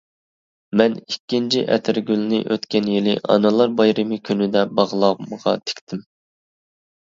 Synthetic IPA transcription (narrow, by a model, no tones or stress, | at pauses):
mɛnikʲːint͡ʃʰiʔɛ̰t̪ʰɪɾɡʲylnɪ̰ʔøt̪kʲɛnjilɪʔɑ̰nɨlˠɑɾbɑjɾɨmɪkʲʰynɪd̪ɛbɑʁlˠɑməʁɑ̰t̪ʰe̥kʲt̪ʰɪm